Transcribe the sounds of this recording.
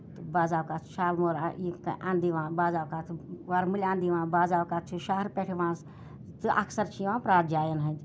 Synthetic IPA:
t̪ɨbaːzaːwkat̪ʰʃaːlmoɾa̰ikʔãːnd̪iʋãːbaːzaːwkaːt̪ʰʋaɾmulʲãːnd̪iʋãːbaːzaːwkaːt͡ʃʰuʃaːɦɾpeʈʰiʋãːs | t̪ɨʔɐksɐɾt͡ʃʰiʋãːpɾaːd͡ʒaːjɐnɦɐnd̪ʲ

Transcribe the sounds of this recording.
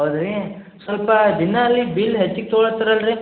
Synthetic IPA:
ɐwd̪ɾe | sʋɐlpɐd̪inːɐːlːibiːlɦet͡ʃːiɡ̚t̪oɭɐt̪ːɐɾɐlɾi

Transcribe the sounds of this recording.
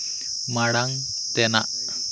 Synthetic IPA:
maɽaŋ | t̪ɛna̰ʔ

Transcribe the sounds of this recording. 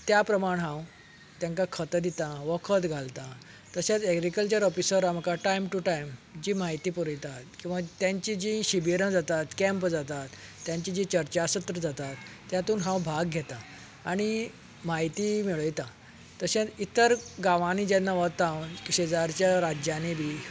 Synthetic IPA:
t̪japɾəmaɽ̃ɦãw | t̪jãŋkakʰət̪əd̪it̪aʋəkʰət̪ɡʱalt̪a | t̪əɕãt͡sɛɡɾikəlt͡ɕəɾɔfisəɾam̤əkaʈajmʈuʈajmd͡ʑiːmaɦit̪iːpuɾəjt̪at̪kĩʋat̪jãɲt͡ɕid͡ʑĩɕibiɾə̃d͡zat̪at̪kɛ̃mpd͡zat̪at̪ːjãɲt͡ɕid͡ʑĩt͡ɕəɾt͡ɕasət̪ɾəd͡zat̪at̪ːjãt̪uːnɦãwbʱaɡɡʱɛt̪aː | ɽ̃i | maɦit̪imiɭəjt̪a | t̪əɕãt͡sit̪əɾɡaʋanid͡ʑanːaʋət̪ãwkɕed͡zaɾt͡ɕjaɾad͡ʑjanebʱiː

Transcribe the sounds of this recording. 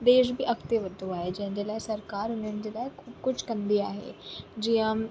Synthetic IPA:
d̪eːʃ̬bʱiːʔɐkt̪eʋəd̪ʱuaːɦed͡ʑɐ̃ɦɲd͡ʑelaesɐɾkaːɾʊnənd͡ʑelaːekʰuːbkʊt͡ɕʰkə̃nd̪iaːɦḛd͡ʑiːɦə̃

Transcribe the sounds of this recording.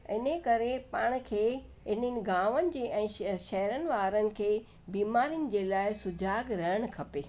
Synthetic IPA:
ɪnəkɐɾepaːɽ̃̆kʰeː | ɪnənɪ̆ɡaːʋənɪ̆d͡ʑeːʔɛ̃ːʃɐɦəɾənɪ̆ʋaːɾənɪ̆kʰeː | biːmaːɾijənɪ̆d͡ʑeːlaːɪsʊd͡ʑaːɡɾɐɦəɽ̃ʊ̆kʰɐpeː

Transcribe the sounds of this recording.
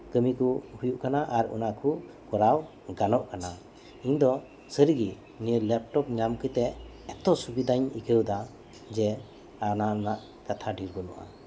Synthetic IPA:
kəmikuhujuʔkanaʔaɾṵnakʰu | kɔɾaw | ɡanɔʔkana | iɲd̪ɔ | səɾiɡi | niɾlɛp̚ʈɔp̚ɲamkɯt̪ɛʔ | ɛt̪ɔsubid̪aɲikəwd̪a | d͡ʒɛ | ananaʔ | kat̪ʰaɖiɾbɔnɔʔa̰

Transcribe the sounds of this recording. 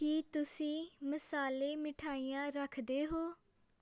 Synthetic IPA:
kiːt̪ʊsĩːməsaːleːmɪʈʰaːiːjãːɾəkʰd̪eːɦoː

